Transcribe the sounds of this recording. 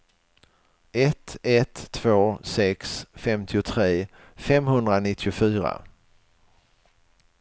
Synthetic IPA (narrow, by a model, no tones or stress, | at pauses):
ʔɛt̪ɛt̪ʰːvoːsɛksfɛmt̪ʰɪʊt̪ʰɾeː | fɛmɦɵnd̪ɾanɪt̪ʰːɪʊfyːɾa̰